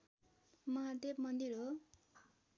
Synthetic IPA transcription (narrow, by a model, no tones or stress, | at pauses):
mʌɦat̪epmʌnd̪iɾo